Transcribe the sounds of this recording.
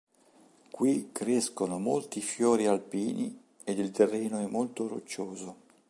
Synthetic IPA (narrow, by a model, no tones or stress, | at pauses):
kwikɾɛskonomolt̪ifjɔːɾialpiːnḭ | ed̪ilt̪erːɛːnoɛmːolt̪oɾo̰t͡ʃːoːzo